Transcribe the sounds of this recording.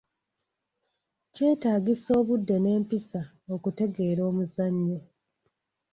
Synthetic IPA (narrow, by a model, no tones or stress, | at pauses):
ce̞ːtaːɡiso̞ːβudːe̞ne̞ːmpisa | o̞kute̞ɡe̞ːɾo̞ːmuzaɲːe